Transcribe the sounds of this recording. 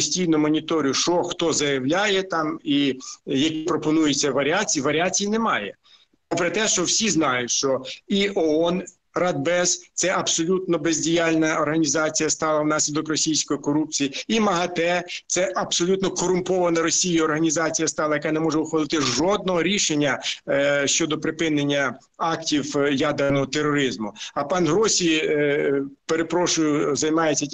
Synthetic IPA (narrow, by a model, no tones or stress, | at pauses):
sʲtʲijnʊmɔnʲit̪ɔɾʲijʊʃt͡ʃɔxt̪ɔzɐjɐwlʲajɛt̪ɑmijɐkʲipɾɔpɔnujet͡sʲːɐʋɐɾʲiat͡sʲiiʋɐɾʲiat͡sʲijinɛmɑjɛ̰ | ɐpɾɐt̪ɛʃt͡ʃɔwsʲiznɑjʊtʲʃt͡ʃɔiʔɔɔn | rɑd̪̚bɛst̪sɛʔɐbsɔlʲut̪nɔbezʲdʲijɑlʲnɐɔrɦɐnʲizɑt͡sʲijɐst̪ɑlˠɐwnɑsʲlʲɪd̪ɔkrɔsʲijsʲkɔjikɔɾup̚t͡sʲijiimɐɦɐt̪ɛt̪sɛʔɐb̥sɔlʲut̪nɔkɔɾʊmpɔʋɐnɐɾɔsʲijiɔrɦɐnʲizɑt͡sʲijɐst̪ɑlˠɐjɐkɑnɛmɔʒɛʊxʋɐlˠɪt̪ɪʒɔd̪̚nɔɦɔɾʲiʃenʲːɐ | ʃt͡ʃɔd̪ɔpɾɪpɪnenʲːɐ | ɑktʲiwjɑd̪ernɔɦɔt̪erːɔɾɪzmʊɐpɑnɦɾɔsʲi | peɾepɾɔʃʊjʊzɐjmɑjet͡sʲːɐ